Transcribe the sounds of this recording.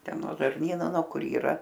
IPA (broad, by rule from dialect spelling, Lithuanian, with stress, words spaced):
ˈtʲɛn noː ʒɐrʲˈnʲiːnoː noː ˈkʊr iːˈrɐ